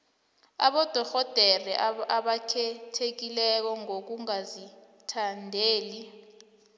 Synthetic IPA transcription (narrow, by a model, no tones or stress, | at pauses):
a̰ɓɔd̥ʱɔxɔd̥ʱɛrɛʔaɓakʰɛtʰek̬ilɛk̬ɔŋok̬uŋazi | tʰandʱeːli